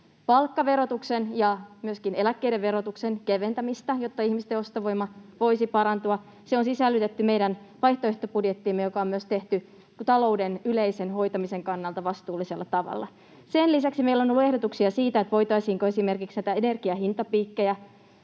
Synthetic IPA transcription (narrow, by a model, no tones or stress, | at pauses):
pɑlkːɑʋe̞ɾo̞t̪uksenjɑmyøskinelækːejɾeʋʋe̞ɾo̞t̪uksenkeʋe̞nt̪æmist̪æjo̞t̪ːɑihmist̪eo̞st̪ɑʋo̞jmɑʋo̞isipɑɾɑnt̪uɑ | seonsisælːyt̪et̪ːyme̞jdæn | ʋɑjht̪oeht̪opudjet̪ːimːejo̞kɑomyøst̪e̞ht̪y | t̪ɑlo̞udenyleisenɦo̞jt̪ɑmise̞ŋkɑnːɑlt̪ɑʋɑst̪uːlːiselːɑt̪ɑʋɑ̰lːɑ̰ | senlisæksimeilːonolːue̞hdot̪uksiɑsiːt̪æet̪ʋo̞jt̪ɑisiːŋkoesime̞rkiksnæjt̪æene̞rɡ̥iɑhint̪ɑpiːkːejæ